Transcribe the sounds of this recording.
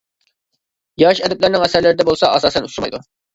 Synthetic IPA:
jɑʃɛd̪ɛplæɾnɪŋɛsæɾlɪɾɪd̪ɛbolˠsɑɑsɑːsɛnusuɾmɑ̰jd̪u

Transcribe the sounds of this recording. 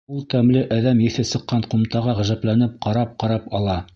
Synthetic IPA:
ulˠt̪æmlɘʔæðæmjɘ̆θɘsɤ̆qːɑɴqŭmt̪ɑʁɑʁæ̆ʒæplænɘp̚qɑɾɑp̚qɑɾɑpɑlˠɑ

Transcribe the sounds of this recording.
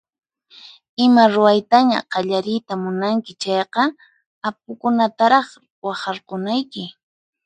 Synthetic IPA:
ɪmaɾʊajt̪aɲa̰qɑʎaɾɪjt̪amʊnaŋkɪt͡ʃɑjqɑ | ap̚ʊkʊnat̪aɾɑχ | wɑχɑɾqʊnajkɪ

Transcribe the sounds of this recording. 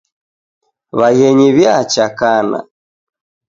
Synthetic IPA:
βaɣɛɲiβjat͡ʃakana̰

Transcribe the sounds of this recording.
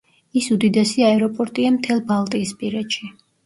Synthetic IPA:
isud̪id̪ɛsiaɛɾɔpʼɔɾt̪ʼiamt̪ʰɛlˠbalˠt̪ʼiːspʼiɾɛd̪ʃi

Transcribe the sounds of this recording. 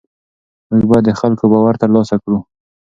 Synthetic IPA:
məɡbad̪əxalkobɑwaɾt̪əɾlɑsakɽu

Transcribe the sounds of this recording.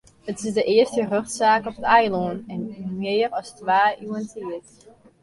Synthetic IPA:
hətɪsdəʔɪəstərøxtsaːkɔpətɛjlonɛnmɪːrɔstʋaːʔyəntiət

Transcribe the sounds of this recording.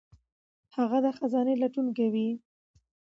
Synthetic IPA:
haɣad̪əxazɑnelaʈunkewi

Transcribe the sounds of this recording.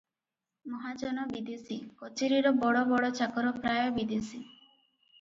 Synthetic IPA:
mɔɦad͡ʒɔnɔbid̪isikɔt͡ʃeɾiɾɔbɔɽɔbɔɽɔt͡ʃakɔɾɔpɾajɔbid̪ʱisi

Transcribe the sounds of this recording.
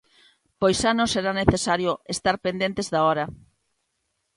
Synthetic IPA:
pojsanõseɾaneθesaɾjoest̪aɾpend̪ent̪ezðaɔɾɐ

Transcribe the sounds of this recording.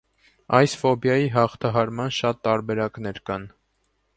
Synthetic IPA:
ɑjsfɔbjɑjiɦɑχt̪ʰɑɦɑɾmɑnʃɑt̪ːɑɾbɛɾɑknɛɾkɑn

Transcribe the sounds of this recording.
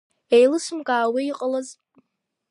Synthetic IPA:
ejlɨsɨmkʼaːwiiqʼəlaz

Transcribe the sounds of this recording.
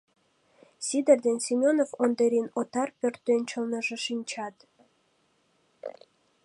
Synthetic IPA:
sʲid̪erd̪ensʲimʲonovond̪eɾʲinot̪ɑrpʲørt̪ːønt͡ɕɤ̆lnə̆ʒɤ̆ʃinʲt͡ɕɑt̪

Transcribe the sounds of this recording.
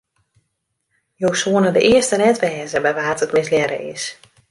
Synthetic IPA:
jowsuənədəʔɪəstənɛtʋɛːzəbɛjʋaːtətmɪsljɛɾə̰ʔɪ̰s

